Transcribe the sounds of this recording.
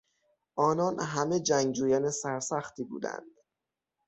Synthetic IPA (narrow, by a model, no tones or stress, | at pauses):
ʔɒːnɒːnɦæme̞d͡ʒæŋɡd͡ʒuːjænesæɾsæxχt̪ʰiːbṵːd̪æ̰nd̪̥